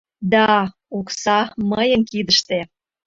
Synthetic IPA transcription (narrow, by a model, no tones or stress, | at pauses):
d̪ɑ | oksɑməjənkid̪əʃt̪e